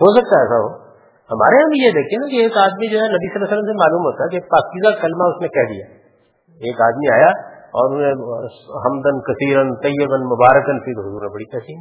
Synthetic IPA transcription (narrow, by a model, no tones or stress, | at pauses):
ɦosɐk̚t̪aɛːsaɦoː | hɐma̰ːɾeɦɐbijed̪eːkʰienakieːkaːd̪mid͡ʒoɦɛnɐbisɐlːaːsəlːəmsemaːluːmɦoːt̪aɦɛkieːk̚paːkiːzakɐlmaʊsnekɛɦd̪ijaː | eːkaːd̪miaːjaɔ̰ːɾʊsẽɦɐmd̪ənkɐsiːɾənt̪ɐjːəkənmʊbaːɾəkənfʰit̪oɦʊzuːɾnebɐɽit̪ɛɦt̪i